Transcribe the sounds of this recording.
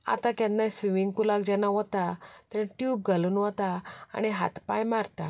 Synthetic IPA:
a̰t̪akɛ̃nːãsʋimiŋɡkulakd͡ʑɛnaʋɔt̪at̪ɛ̃ʈjuːb̚ɡʱaluːnʋɔt̪aa̰ñiɦa̰t̪pajmaɾt̪a

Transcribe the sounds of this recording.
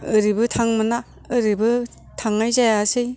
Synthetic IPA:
ɯɾibɯtʰaŋmɯna | ɯɾibɯ | tʰaŋajzajaːsɯj

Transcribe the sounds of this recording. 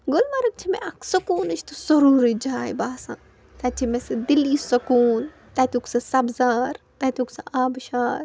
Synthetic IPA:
ɡʊlmɐɾɐk̚t͡ʃʰimḛ̃ʔɐkʰsɐkuːnɐt͡ʃʰt̪usɐɾuːɾid͡ʒaːjbaːsã̰ː | t̪ɐt͡ʃʰimẽsɐd̪ilːiːsɐkuːn | t̪at̪uksɐsɐbzaːɾ | t̪ɐt̪uksaʔaːbʃaːɾ

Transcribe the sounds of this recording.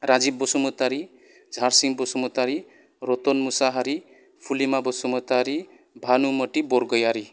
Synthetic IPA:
ɾad͡ʒibːɔsumɔt̪aɾi | d͡zʱaɾsiŋbɔsumɔt̪aɾi | ɾɔt̪ɔnmusaɦaɾi | pʰulimabɔsumɔt̪aɾi | bʱanumɔʈibɔɾɡɔjaɾi

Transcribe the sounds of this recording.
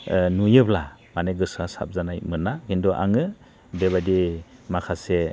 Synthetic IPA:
nujɯblamaneɡɯsasa̰p̚zanajmɯnːakindɔʔa̰ŋɯ | beβadimakʰase

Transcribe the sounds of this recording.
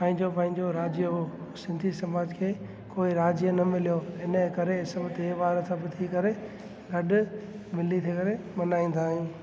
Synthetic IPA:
pɐ̃ɦɪ̃ɲd͡ʑopɐ̃ɦɪ̃ɲd͡ʑoɾaːd͡ʑjəɦo | sɪ̃nd̪ʱisɐmaːd͡ʑkʰeː | koːiɾaːd͡ʑjənɐmɪlijoɪnəkɐɾeɪsɐmt̪eʋaːɾəsãbɪt̪ʰikɐɾe | ɡɐɗʊ | mɪlit̪ʰikɐɾe | mɐnaːĩːn̆d̪aːɦjũː

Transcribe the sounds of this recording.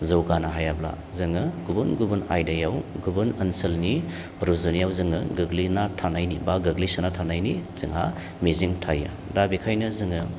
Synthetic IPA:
zɐwɡanaɦajabla̰ | zɯŋɯɡubunɡubuna̰jdajawɡubunɐnsɐlni | ɾuzunijawzɯŋɯɡɯɡlinatʰanajnibaɡɐɡlisɯnatʰanajniz̥ɯŋa̰ | miziŋtʰajɯ̰ | dabikʰajnɐzɯŋɯ

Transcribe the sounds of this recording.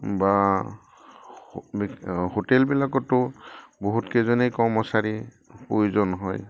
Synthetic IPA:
ba | bihotɛlbilakɔtːʊboɦutkɛzɔnejkɔɹmɔsaɹi | pojuzɔnɦɔj

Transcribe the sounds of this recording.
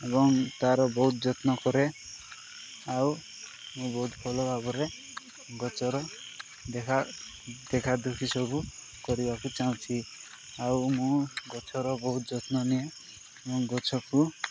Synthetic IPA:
ebɔŋt̪aɾɔbɔɦut̪d͡ʒɔt̪nɔkɔɾe | aw | mũbɔɦut̪bʱɔlɔbʱabɔɾe | ɡɔt͡ʃɔɾɔ | d̪ekʰa | d̪ekʰad̪ukʰisɔbu | kɔɾibakut͡ʃaũt͡ʃʰi | awmũɡɔt͡ʃʰɔɾɔbɔɦut̪d͡ʒɔt̪nɔnie | ebɔŋɡɔt͡ʃʰɔku

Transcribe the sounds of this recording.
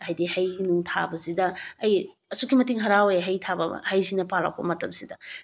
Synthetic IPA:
ajdihɐjhinuŋtʰa̰bɐzidɐːj | ɐsukʰimɐtiŋɦɐɾawjɦɐjtʰabɐ̰hɐjzinɐpala̰w̚pɐ̰mɐtɐmsidɐ

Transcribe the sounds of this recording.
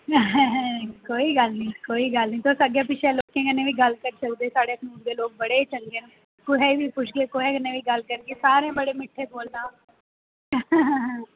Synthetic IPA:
ɦɦɛ̃koːiːɡəlnĩːkoːiːɡəlnĩːt̪ʰoːsəɡjaːpɪt͡ʃʰeːloːkẽːkənːẽːʋiːɡəlkəɾsək̚d̪eːsaːɽeːsuːmd̪eːloːk̚bəɽeːt͡ʃəŋɡeːn | kʊɦɛːʋiːpʊʃɡeːkʊɦɛːkənːẽːʋiːɡəlkəɾɡeːsaːɾẽːbəɽeːmɪʈʰːeːboːlnãː | ɦ

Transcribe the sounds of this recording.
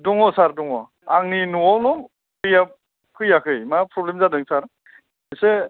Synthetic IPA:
dɔŋɔsaɾdɔŋɔ | aŋninuawnɔm | kʰɯja | kʰɯjakʰɯjmapɾɔblemzadɯŋsaɾ | ise

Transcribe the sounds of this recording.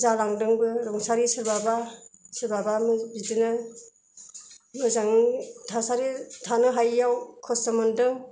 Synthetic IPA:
zalaŋdɯŋbɯɾɔŋsaɾisɯɾbabasɯɾbabamɯbidɯnɯ | mɯzaŋtʰasaɾitʰanɯɦajːawkʰɔsɯmɯndɯŋ

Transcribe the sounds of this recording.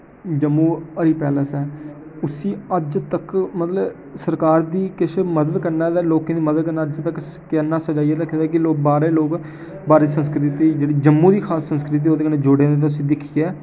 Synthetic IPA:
d͡ʒəmːũːəɾiːpɛːləsɛː | ʊsĩːəd͡ʒt̪əkmət̪ləb | səɾkaːɾd̪iːkɪsməd̪əd̪kəɾnaːd̪ɛːloːkẽːd̪iːməd̪əd̪̚kəɾnaːəd͡ʒt̪ək | kɛːnaːsəd͡ʒaːiɛːd̪əkʰːed̪ɛːkɪloːk̚baːɾeːloːk | baːɾeːsə̃nskɾɪt̪iːd͡ʒeːɽiːd͡ʒəmːũːd̪iːkʰaːsːə̃nskɾɪt̪̬iːoːd̪eːkəneːd͡ʒoːɽẽːd̪eːt̪aʊs̬ĩːd̪ɪkʰːiːɛː

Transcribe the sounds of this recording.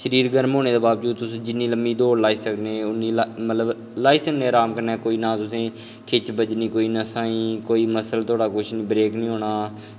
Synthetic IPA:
ʃəɾiːɾɡəɾmɦoːneːd̪eːbaːbd͡ʒuːd̪t̪ʊsẽːd͡ʒɪnːiːləmbiːd̪oːɾlaːiːsəkneːʊniːlamət̪ləb | laːiːsəkneːɾaːmkəɾnɛːkoːiːnãːt̪ʊsẽː | kʰɪt͡ʃbəd͡ʒniːkoːiːnəsãːĩːkoːiːməsəlt̪ʰʊaːɽaːkʊʃʰniːbɾeːknĩːɦoːɽ̃aː

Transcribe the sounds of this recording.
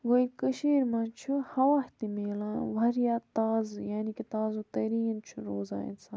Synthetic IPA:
ʋɐikəʃiːɾmaːnt͡ʃʰuhɐwaːht̪imeːlãːʋɐɾjaːt̪aːzjaːnikit̪aːzut̪ɐɾiːnt͡ʃʰuɾoːza̰ːjḭnsʰãː

